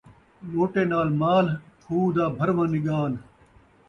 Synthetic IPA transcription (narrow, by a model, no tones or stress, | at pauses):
ɓoːʈeːnaːlmaːlkʰuːd̪aːbʱɐɾʋãːniɠaːn